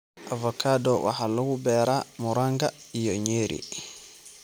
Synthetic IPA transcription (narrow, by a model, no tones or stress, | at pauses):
ʔavɔkʰadɔwa̰halɔwubɛɾamuɾaŋɡajɔɲeːɾʔḭ